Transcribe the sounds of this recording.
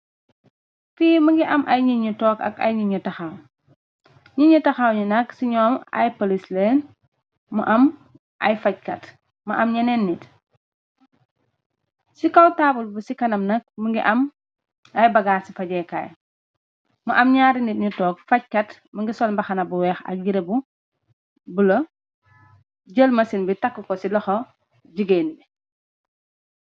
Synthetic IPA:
fiːməŋɡiʔɐmʔɐjɲiɲutɔːkɐ̰kɐ̰jɲuɲutɐxɐw | ɲuɲutɐxawɲunɐksiɲɔːmɐ̰jpolisleːn | muʔɐm | ʔɐjfɐc̚kɐt | mɐʔɐmɲɐnɛnːit | sikɐwtaːbulbusikɐnɐmnɐk̚məŋɡiʔɐm | ɐjbɐɡaːsifɐɟɛːka̰ːj | muʔɐmɲaːɾinit̚ɲutɔːk̚fɐc̚kɐt | məŋɡisɔlmbɐxɐnɐbuwɛːxɐ̰k̚jiɾebu | bulo | ɟəlmɐsinbitakːukɔsilɔxɔ | ɟiɡenbi

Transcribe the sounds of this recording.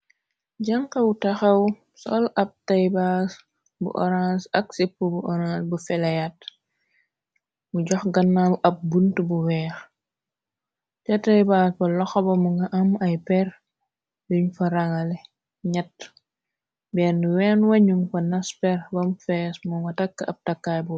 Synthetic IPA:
ɟɐŋkɐutɐxɐw | sɔlɐp̚tɐjbas | bṵʔɔɾasɐk̚sipːubuʔɔɾãsbufɛlɐjat | muɟɔxɡɐnːalɐp̚buntubuwɛːx | t͡ʃɐtɐjbaːsbɐlɔxɔbɐmuŋɡɐʔɐmɐjpɛr | duɲfɐɾɐŋɐlɛ | ɲɐt | bɛnːuwɛnwɐɲumkɔnɐspɛrbɐmfɛsmuŋɡɐtɐkːɐp̚tɐkːaːjbu

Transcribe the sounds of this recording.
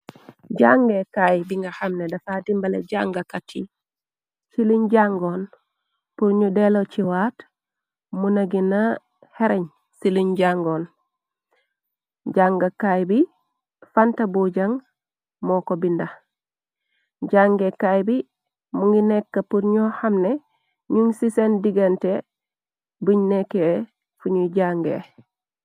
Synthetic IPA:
ɟaŋɡekajbiŋɡaxamnedafadimbalḛɟaŋɡakatʰi | siluɲɟaŋɡon | puɾɲudelot͡ʃiwaːt | munɐɡina | heɾeɲ | siluɲɟaŋɡon | ɟaŋɡakajbi | fantabuɟaŋ | mokobinda | ɟaŋɡekajbi | muŋɡinekːapuɾɲohamne | ɲuŋsisendiɡante | buɲnekːe | fuɲuɟaŋɡḛ

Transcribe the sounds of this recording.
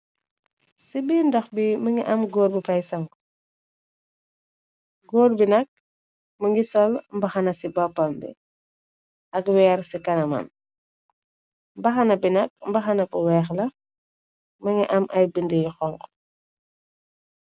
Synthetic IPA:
sibindɐxbimɐŋḭʔɐmɡoːɾbifɐjsɐŋ | ɡoːrbinɐk̚ | mɐŋɡisɔlmbɐxɐnɐsibɔpːɐmbɛ̰ | ɐkwɛːɾsikɐnɐmɐ̰n | mbɐxɐnɐbinɐk̚mbɐxɐnɐpuwɛːxlɐ | mɐŋiʔɐmʔɐjbindəjxɔŋk

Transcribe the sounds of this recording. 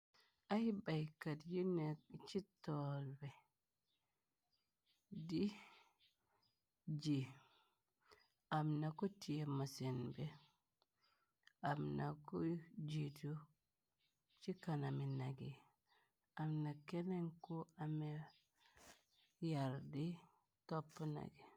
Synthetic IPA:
ʔahibajkadjunɛt͡ʃitːɔlbɛ | di | d͡ʒi | ʔamnakɔtijɛmasinbɛ | amnakud͡ʒitu | t͡ʃikanaminaɡi | amnakeneŋkuame | jaɾdi | topːuna̰ɡi

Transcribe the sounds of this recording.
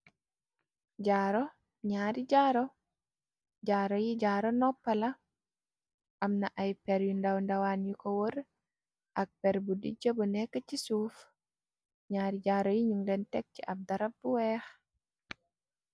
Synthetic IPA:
ɟaɾɔ | ɲaɾid͡ʒaːɾɔ | d͡ʒaːɾɔjiɟaːɾɔnɔpːala | ʔamnaʔajpɛɾjundawndawanjikɔwoɾ | ʔak̚pɛɾbudḭd͡ʒobunɛkːat͡ʃisuːf | ɲaːɾid͡ʒaːɾojiɲuŋdɛntɛk̚t͡ʃiʔab̚daɾab̚buwɛːx

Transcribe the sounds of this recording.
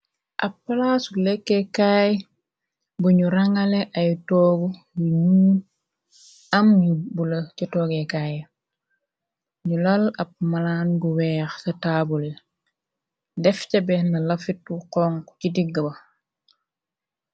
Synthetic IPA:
ʔɐpːɐlasulɛkːɛkaːj | buɲuɾɐŋɐlɛʔɐjtɔːɡu | buɲuː | ɐmjubulɐcɐtɔːɡekaːj | ɲulɐlɐp̚mɐlaːnbuwɛːxsɐtaːbuli | dɛfcɐbɛnɐlɐfit̚wuqɔːŋkcidiɡːɐbɐ

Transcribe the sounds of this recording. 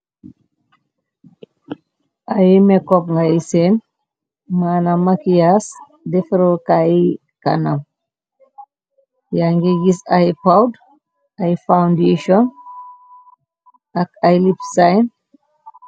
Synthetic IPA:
ʔajimɛkɔp̚ŋɡaisen | manamakijas | defɾokaji | ka̰nam | jaŋɡiɡisajipawd | ajfawndeʃɔn | akajlipsajn

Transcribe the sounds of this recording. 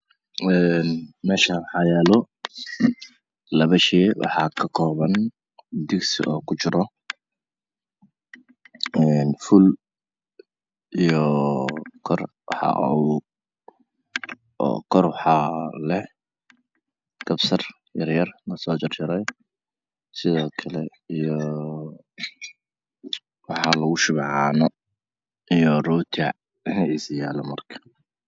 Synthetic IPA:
ɛːnmɛːʃɐwɑħɑːjɛːlɔ | lɐβɐʃɛːwʔɑ̰ħɑːkʰɐkʰɔːβɐn | d̪ɪɡsḭʔɔːkʰʊt͡ʃɪɾɔ | ɛːnfʊl | ijɔ | kʰɔr | wɑ̰ħɑ̰ʔu | kʰɔrwɑħɑlɛh | ɡ̥ɐbsɐr | jɐrjɐrnɐsɔːt͡ʃɪrt͡ʃɪɾɛj | sɪðɔːkʰɐlɛ | ijɔ | wɑħɑlɐɣʊʃʊβʕɑːnɔ | ijɔrɔːt̪ʰiaʕ | nisjaːlɐmɐrkʰɐ̥

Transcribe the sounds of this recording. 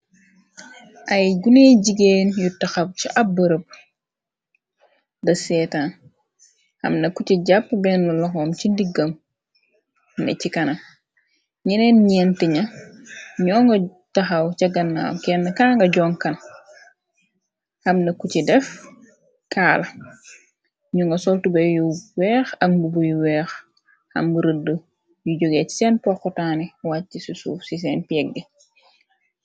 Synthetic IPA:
ʔɐjɡuneːɟiɡeːnjutɐxɐp̚ciʔɐbəɾəp̚ | dɐsɛːtaːn | hɐ̰mnɐkuciɟapːbɛnːulɔxɔːmcindiɡːɐm | nɛ̰cikɐnɐ | ɲɛnɛnɲɛntiɲɐ | ɲɔːŋɡɐ | tɐxɐwcɐɡɐnːa̰wkɛnːɐkaːŋɡɐɟɔːŋkɐn | hɐmnɐkucidɛf | kaːlɐ | ɲuŋɡɐsɔltubɛjuwɛːxɐk̚mbubujuwɛːx | hɐ̰mbəɾədːə | juɟoɡɛcsɛnpɔxɔtaːniwaːisusṵːfsis̬ɛːnpiɛɡ̚di

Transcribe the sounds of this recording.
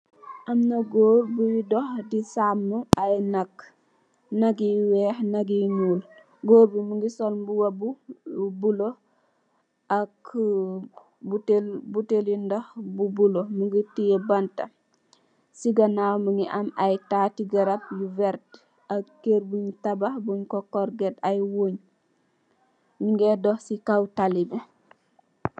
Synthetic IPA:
ʔamnɐɡoːɾbujidɔhdisamːuajnakː | naɡiwɛːhnaɡiɲuːl | ɡoːɾbumuŋɡisɔlmbuwɐbubulo | ʔak | butelbutelindɔhbubulomuŋɡitijebanta̰ | siɡanawməŋɡiʔamajtaːtiɡaɾap̚juvɛɾt | akeɾbuɲtabahbuɲkokɔɾɡɛtajwoːɲ | miŋɡɛdohsikawtalibe

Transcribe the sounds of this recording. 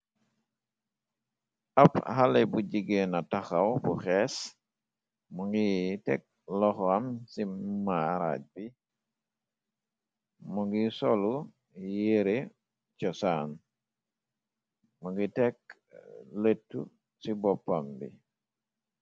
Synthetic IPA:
aphalebuɟiɡenataxawbuxɛs | muŋɡitɛ̰k̚ | lɔxamsimaɾa̰ɟ̚bi | muŋɡisolu | jeɾe | t͡ʃɔsan | muŋɡitɛk̚ | letːṵ | sibɔpːambḭ

